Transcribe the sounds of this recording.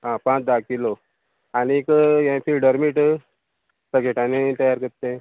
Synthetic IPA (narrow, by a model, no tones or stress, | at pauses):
ɦãpãt͡sd̪akilo | anikjãfilɖəɾmiʈ | səkeʈanet̪əjaɾkəɾt̪ẽ